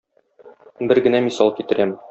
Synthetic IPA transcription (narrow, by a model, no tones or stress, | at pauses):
bɘɾɡɘ̆næmisɑlˠkit̪ɘ̆ɾæm